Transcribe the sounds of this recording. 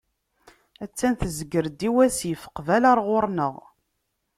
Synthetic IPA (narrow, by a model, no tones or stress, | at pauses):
æt͡sːænθəzəɡəɾd̪iwæsjəfə̥qvælɑɾˤʁʊɾˤnəʁ